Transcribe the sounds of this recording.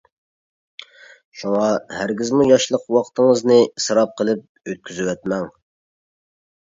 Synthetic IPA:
ʃuŋɑhæɾɡʲɪzmujɑʃlˠəqwɑqʰt̪ʰəŋəznɨsɨɾɑp̚qʰəlˠɨp̚ | øt̪̚kʲʰyzywɛt̪mɛŋ

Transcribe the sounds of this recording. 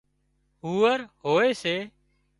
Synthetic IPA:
ɦuːəɾɦoːeːseː

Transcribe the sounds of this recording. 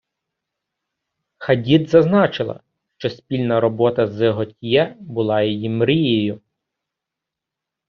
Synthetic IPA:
xɐdʲid̪zɐznɑt͡ʃɪlˠɐ̰ | ʃt͡ʃɔspʲilʲnɐɾɔbɔt̪ɐzeɦɔtʲjɛbʊlˠɑjɔjimɾijejʊ

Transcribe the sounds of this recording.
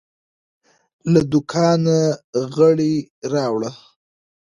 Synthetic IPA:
lad̪ʊkʰɑnaɣəɽiɾɑwɽa

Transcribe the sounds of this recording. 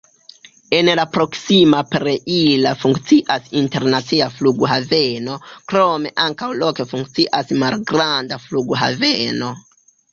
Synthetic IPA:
e̞nlapɾo̞ksimapɾeʔilafuŋkt͡siʔasinte̞ɾnat͡siafluɡɦave̞no̞kɾo̞me̞ʔaŋkawlo̞kefuŋk̚t͡siʔasmalɡɾandafluɡɦa̰ve̞no̞

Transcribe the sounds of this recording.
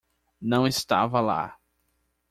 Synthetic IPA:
nɐ̃w̃ɪst̪a̰vɐla̰

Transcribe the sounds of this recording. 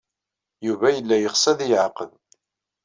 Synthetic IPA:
juvæjəlːæjəχsæðijʕqəð

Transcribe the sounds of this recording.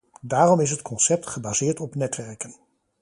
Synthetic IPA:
daːrɔmɪs̬ɦətkʰɔnsɛp̚tχəbaːzɪːɹtɔpnɛtʋɛɹkən

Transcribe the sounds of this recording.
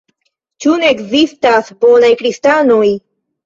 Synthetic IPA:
t͡ʃuneekzistasbo̞najkɾistanoj

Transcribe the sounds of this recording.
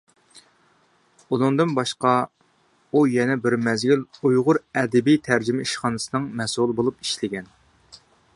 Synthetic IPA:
ulˠuŋd̪ɨnbɑʃqɑ | ujɛnɛbɪɾmɛzɡʲilujʁʊɾɛd̪ɛbijt̪ʰæɾd͡ʒymɛiʃχɑnɨsɨnɨŋmɛsulˠɨbolˠupi̥ʃlɪɡʲɛn

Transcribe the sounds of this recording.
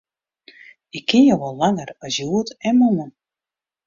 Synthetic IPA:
ɪkʰːɪnjowʋɔlˠːaŋərɔsjuətɛnmɔnən

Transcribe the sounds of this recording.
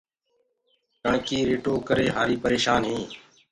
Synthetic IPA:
kãːkiːɾeːʈoːkəɾeːɦaːɾiːpəɾeːʃaːnɦĩː

